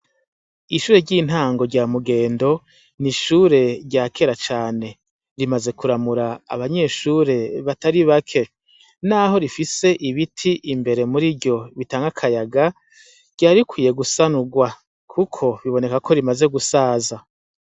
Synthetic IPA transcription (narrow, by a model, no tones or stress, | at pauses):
iʃuːɾe̞ɟiːn̥haːŋɡo̞ɾɟaːmuɡe̞ːndo̞ | niʃuːɾe̞ɾɟaːkʰe̞ɾat͡ʃaːne̞ | ɾimaze̞kuɾamuɾa̰ːβaɲe̞ʃuɾe̞βataɾiβakʰe̞ | naːɦo̞ɾifise̞ʔiβitʰiʔimbe̞ɾe̞muɾiɟo̞βitaːŋɡakʰajaɡa | ɾɟaːɾikwiːje̞ɡusanuɡwa | kʰukʰo̞βiβo̞ne̞kakʰo̞ɾimaze̞ɡusaːza